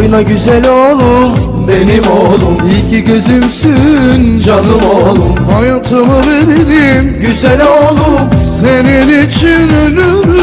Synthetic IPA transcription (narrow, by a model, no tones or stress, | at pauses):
junaɟyzælʲolˠum | benimolˠumilcʰiɟøzymsynd͡ʒanɯmolˠumhajat̪ʰɯmɯveɾiɾimɟyzælʲolˠumseninit͡ʃʰinølyɾ